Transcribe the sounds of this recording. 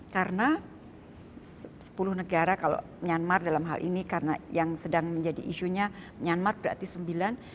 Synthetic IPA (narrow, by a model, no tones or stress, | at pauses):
kaɾəna | ssə̥pulʊhnəɡaɾakalo̰ | mɲanmardalamɦa̰lʔḭnikarənajaŋsədaŋməɲd͡ʒadiʔiʃuɲamɲanmarbəɾa̰t̪isəmbilan